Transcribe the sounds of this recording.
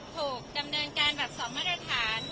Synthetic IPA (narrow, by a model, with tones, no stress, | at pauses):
t̪ʰuː˨˩k̚da˧mnɤː˧nkaː˧nbɛː˨˩p̚sɔː˨˦maː˥˩t̪̚ɾa˧t̪ʰaː˩˦n